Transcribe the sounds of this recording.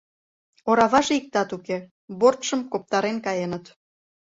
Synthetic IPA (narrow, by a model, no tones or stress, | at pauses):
oɾɑβɑʒeik̚t̪ɑt̪uke | βort̪ʃəmkop̚t̪ɑɾenkɑjenət̪